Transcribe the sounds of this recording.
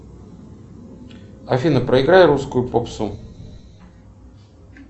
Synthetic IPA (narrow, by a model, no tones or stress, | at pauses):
ɐfʲinəpɾʔəɪɡɾajɾuskʊjʊpopsu